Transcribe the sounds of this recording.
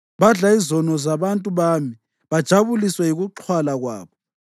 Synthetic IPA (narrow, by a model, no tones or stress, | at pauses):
βaɮaizɔnɔzaβantʼuβami | βad̥ʒ̥ʱaβuliswɛiɣuǁʰwalaɣwa̰ːβɔ